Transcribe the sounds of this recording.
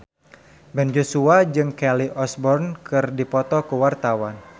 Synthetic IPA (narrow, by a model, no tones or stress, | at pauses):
bɛnd͡ʒosuad͡ʒɨŋkɛliʔɔsbɔrnkɨrdipɔt̪ɔkuwart̪awan